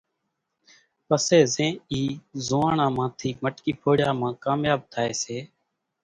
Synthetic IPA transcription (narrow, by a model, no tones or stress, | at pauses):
pəseːzẽːiːzoːãːɳãːmãːt̪ʰiːməʈkiːpʰoːɽjaːmãːkaːmjaːb̚t̪ʰaːeːseː